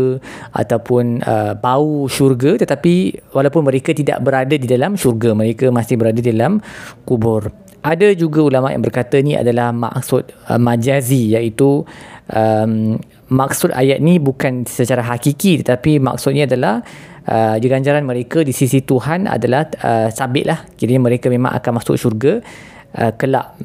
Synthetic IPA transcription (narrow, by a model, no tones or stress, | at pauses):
ʔa̰t̪awpʊnəbauʃurɡat̪ət̪apiwalawpʊnmə̃ɾekat̪ida̰ʔbəɾadədidalamʃurɡamə̃ɾekəmãsɪhbəɾadadidalamkubʊr | ʔadad͡ʒuɡaulamaʔja̰ŋbərkat̪ənĩa̰dalahma̰ksʊt̪̚əmãd͡ʒazijaʔit̪uʔəm | mak̚sʊt̪a̰jat̪̚nibukansət͡ʃaɾaɦakikit̪ət̪apima̰k̚sʊt̪̚niadalah | ʔəd͡ʒəɡaɲd͡ʒaɾanməɾekədisisit̪uɦana̰dalahəsabɪʔ̪̚lahkiɾəɲamə̃ɾekamẽmã̰ŋʔa̰kanmasʊ̰kʃurɡa | ʔəkəla̰ʔ